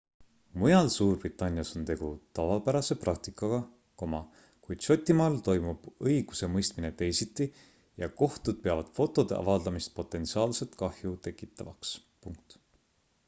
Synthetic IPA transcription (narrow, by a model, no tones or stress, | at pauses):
mujɑlsuːrbrit̪ːˑɑnʲjɑso̞nt̪e̞ɡ̥ut̪ɑvɑpæɾɑse̞prɑk̚t̪ikːˑɑɡ̥ɑ | komɑ | kujd̪̥ʃo̞t̪ʲːˑimɑːlt̪o̞jmub̥ɤjɡ̥use̞mɤjst̪mine̞t̪e̞jsit̪ːˑi | jɑko̞ht̪ud̪̥̚peɑvɑd̪̥fo̞t̪ːˑo̞d̪̥e̞ʔɑ̰vɑld̪ɑmist̪̚po̞t̪ːˑe̞nt̪siɑːlse̞lt̪kɑhjut̪e̞kːˑit̪ːˑɑvɑ̰ks | puŋk̚t̪